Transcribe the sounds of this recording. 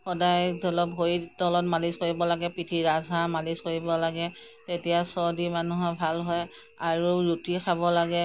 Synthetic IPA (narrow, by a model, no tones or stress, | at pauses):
xɔdajdɔlɔpɦoɹidɔlɔt̚maliskoɹibɔlaɡɛpɹitʰiɹazʱamaliskoɹibɔlaɡɛ | tetijasɔdimanuɦɔbʱalɦɔj | aɹuɹutixʰabɔlaɡɛ